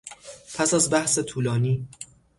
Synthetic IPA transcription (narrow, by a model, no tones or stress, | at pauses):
pʰæsæzbæhset̪ʰuːlɒːniː